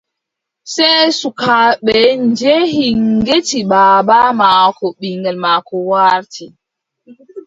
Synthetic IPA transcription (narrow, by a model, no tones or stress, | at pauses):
sɛjsukaɓɛnd͡ʒehiŋɡetibabamakɔɓiŋɡɛlmaːkɔwaɾtʰi